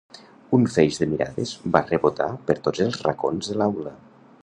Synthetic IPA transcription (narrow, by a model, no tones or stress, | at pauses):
uɱfɛjʒðəmiɾa̰ðəzbarəβot̪a̰pəɾt̪od͡zzəlˠzra̰konzðəlawlə